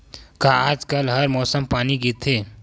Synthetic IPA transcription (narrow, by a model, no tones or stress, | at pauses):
kaaːd͡ʒkəlɦɐɾmɔːsəmpaːniɡit̪ʰeː